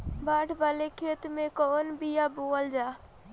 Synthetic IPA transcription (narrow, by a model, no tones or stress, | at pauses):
baːʈʰbalekʰeːt̪mẽkɔːnbijaboəld͡ʒaː